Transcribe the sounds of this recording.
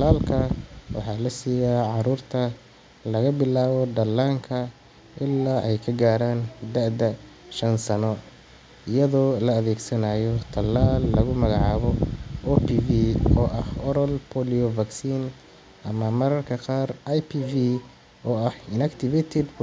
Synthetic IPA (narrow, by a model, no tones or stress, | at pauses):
laːlkʰɐwɑ̰ħɑːlɐsiːjaːʕɑɾuːrt̪ʰɐ | lɐɣɐbɪlaːβɔd̪ɐlːaːŋkʰɐ | ʔɪlːaːʔɛjkʰɐɡaːɾaːnd̪ɐʔd̪ɐ | ʃɐnsɐnɔ | ɪjɐðɔːlɐɐðɛːɡsɐnajɔt̪ʰɐlaːlːɐɣʊmɐɣɑʕɑːβɔɔːpiːviɔːʔɐhɔɾɔlpʰɔliɔvɐɡsiːn | ʔɐmɐmɐɾɐrkʰɐqɑːrɐjpʰiːvi | ɔːɐhɪnɐkt̪ʰɪvɛt̪ʰɛd̪